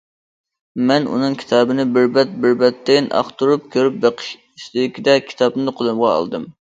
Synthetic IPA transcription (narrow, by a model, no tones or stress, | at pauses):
mɛnṵnɨŋkʲʰi̥t̪ʰɑːbɨnɪbɪɾbɛt̪̚bɪɾbɛt̪ːɪnʔɑ̰χt̪uɾup̚kʲʰøɾyp̚beqʰɨ̥ʃ | iʃt̪ɪd̪ɪkʲid̪ɛkʲʰi̥t̪ʰɑbnɨqʰolˠɨmʁɑɑ̰lˠd̪ɨm